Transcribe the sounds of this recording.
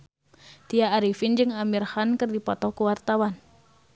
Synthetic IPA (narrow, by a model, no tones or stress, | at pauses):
t̪iaːɾifind͡ʒɨŋamirhankɨrdipɔt̪ɔkuwart̪awan